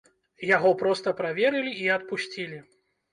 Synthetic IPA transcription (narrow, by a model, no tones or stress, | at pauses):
jaɣɔpɾɔst̪ɐpɾavʲɛɾɨlʲiiɐt̪̚pusʲt͡sʲilʲi